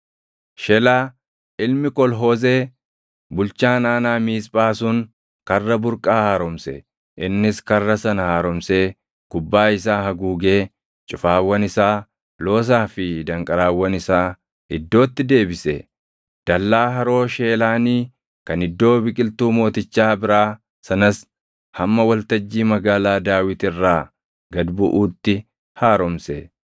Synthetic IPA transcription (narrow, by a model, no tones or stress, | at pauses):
ʃɛlaː | ɪlmɪkɔlɦo̞ːze̞ː | bʊlt͡ʃaːnaːnaːmiːspʼaːsʊŋ | kɐrːɐbʊɾkʼaːhaːɾɔmsɛ̰ | ʔɪnːɪskɐrːɐsɐnɐhaːɾɔmseː | kʊbːaːɪsaːhɐɡuːɡe̞ː | t͡ʃʼʊfaːwːɐnɪsaː | lo̞ːs̬aːfɪd̪ɐŋkʼɐɾaːwːɐnɪsaː | ɪd̪ːo̞ːt̪ːɪd̪e̞ːbɪsɛ | d̪̥ɐlːaːɦɐɾo̞ːʃe̞ːlaːniː | kɐnɪd̪ːo̞ːbɪkʼɪlt̪uːmo̞ːt̪ɪt͡ʃːaːbɪɾaː | sɐnɐs | hɐmːɐwɐlt̪ɐd͡ʒːiːmɐɡaːlaːd̪aːwɪt̪ɪrːaː | ɡɐd̪bʊʔuːt̪ːɪ | haːɾɔmse